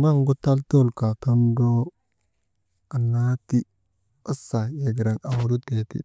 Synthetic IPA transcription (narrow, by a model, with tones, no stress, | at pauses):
ba˦ŋɡu˦ta˦lto˦lka˨to˦ndo˦ | a˨na˦ti˦ | o˦sa˨je˨ɡɾa˨na˨wɾu˦te˨tḭ˨